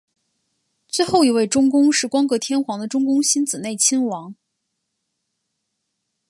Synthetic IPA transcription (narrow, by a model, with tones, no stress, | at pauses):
t͡swe˥˧ɪxo˥˩ʊi˧˩˥we˥˩ɪʈ͡ʂʊ˥ŋkʊ˥ŋʂɻ̩˥˩kwɑ˥ŋkɤ˧˥t̪ʰjɛ˥nxwɑ˧˥ŋd̪ə˧ʈ͡ʂʊ˥ŋkʊ˥ŋɕi˥nt͡sɹ̩˨˩ne˥˩ɪt͡ɕʰi˥ŋwɑ˧˥ŋ